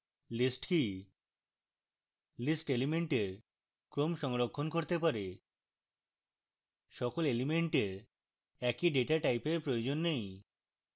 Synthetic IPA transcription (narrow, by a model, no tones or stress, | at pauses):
lisʈki | lisʈelimeɳʈeɾ | kɾomʃɔŋɾokʰːonkoɾt̪epaɾe | ʃɔkolelimeɳʈeɾ | ɛkiɖeʈaʈajpeɾpɾojod͡ʑonːej